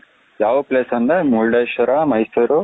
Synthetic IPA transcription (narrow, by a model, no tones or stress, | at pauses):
jaːʋɐpleːsɐnd̪ɐmuɭɖejʃɐɾamɐjsuɾu